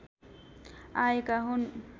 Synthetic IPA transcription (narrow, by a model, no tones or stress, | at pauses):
ajkaɦun